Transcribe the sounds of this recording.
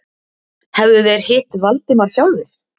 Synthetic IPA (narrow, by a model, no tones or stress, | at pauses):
hɛvðʏvɛːɾhɪːt̪valt̪ɪmaɾ̥fjawlvɪθ